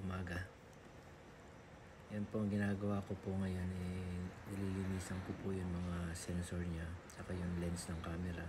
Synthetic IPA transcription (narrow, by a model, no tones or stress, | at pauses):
ʊmaːɡɐ | jʊnpoɐŋɡɪnaːɡɐwaːkopoŋɐjo̞nʔɛɪlilɪniːsɐŋkopujʊŋmɐŋasɛnsoɹɲat͡ʃɐkajʊŋlɛnsnɐŋkaːmɛɾa